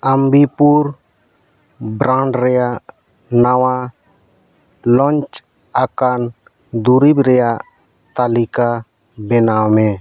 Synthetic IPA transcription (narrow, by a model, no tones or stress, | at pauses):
əmbipuɾ | bɾãɳɖɾɛjaʔ | nawa | lɔnt͡ʃ | akan | d̪uɾibɾɛjaʔ | t̪alika | bɛnawmɛ